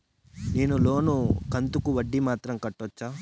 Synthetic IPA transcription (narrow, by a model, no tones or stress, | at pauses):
neːnulo̞ːnukɐnt̪ukuʋɐɖːimaːt̪ɾɐmkɐʈːɔt͡ʃːaː